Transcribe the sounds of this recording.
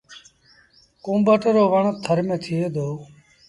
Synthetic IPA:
kõːmbəːʈəɾoːʋəɳt̪ʰːəɾmẽːt̪ʰɪeːd̪ʱoː

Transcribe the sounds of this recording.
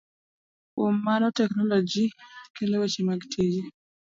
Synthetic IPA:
umːanɔtɛknɔlɔd͡ʒikelɛwɛt͡ʃimaɡtʰid͡ʒi

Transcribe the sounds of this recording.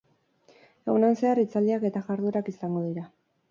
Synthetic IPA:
e̞ɣunanse̞arit͡sald̪iake̞t̪aʝaɾðuɾakisaŋɡo̞ðiɾa

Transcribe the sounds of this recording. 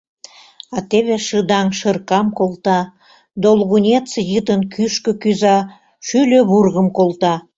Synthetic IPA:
ɑt̪eβeʃəd̪ɑŋʃərkɑmkolt̪ɑ | d̪olˠɣunʲet̪sejət̪ənkʰyʃkə̆kyzɑ | ʃyløβurɣəmkolˠt̪ɑ

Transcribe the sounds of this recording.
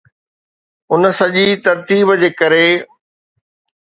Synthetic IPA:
ʊnəsɐʄit̪ɐɾt̪iːbd͡ʑeːkɐɾe

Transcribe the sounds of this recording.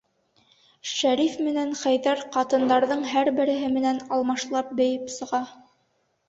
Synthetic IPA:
ʃæɾifmɘ̆næɴχæjðæɾqɑt̪ɤ̆nd̪ɑɾðɤɴɦæɾbɘ̆ɾɘ̆ɦɘmɘ̆nænɑlˠmɑʃlˠɑp̚bɘ̆jɘpsɤ̆ʁɑ

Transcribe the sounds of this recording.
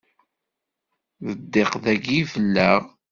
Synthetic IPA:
ðəd̪ːeqðæɡifəlːæʁ

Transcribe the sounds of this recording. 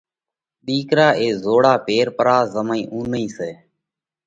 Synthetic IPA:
ɗ̪iːkɾaːʔeːzoːɽaːpeːɾpəɾaːzəmaĩːʔũːnəĩːseː

